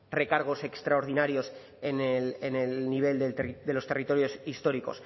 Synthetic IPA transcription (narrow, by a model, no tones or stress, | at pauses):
re̞kaɾɣ̞o̞se̞kst̪ɾaoɾð̞inaɾjo̞s | enelenelniβ̞e̞ld̪ed̪e̞lo̞st̪e̞rit̪o̞ɾjo̞sist̪o̞ɾiko̞̰s